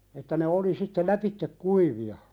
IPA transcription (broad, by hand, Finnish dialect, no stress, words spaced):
etːæ ne oli sitːe læpitːek kuiʋiɑ